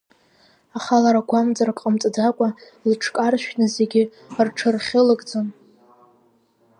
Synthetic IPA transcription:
aχalaɾaɡʷamd͡zarakʼəmt͡sʼad͡zakʷʼa | ilʈ͡ʂʰkʼarʃᶣnɨzeɡʲɪ | rʈ͡ʂʰɨrχʲɪlɨkʼd͡zɨn

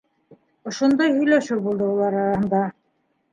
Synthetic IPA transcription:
ŏʃond̪ɑjhɵ̆jlæʃɘwbulˠd̪ɤulˠɑɾɑɾɑhɤ̆nd̪ɑ

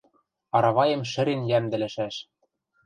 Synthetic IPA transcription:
ɑɾɑβɑjɤ̆mʃɘ̆ɾenjæmd̪ɘ̆lɘ̆ʃæʃ

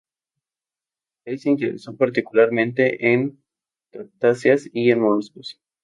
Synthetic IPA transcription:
elseint̪eðḛsopaɾt̪ikulaɾmẽnt̪e̞ʔen | t̪aɾt̪asjasienmonuskos

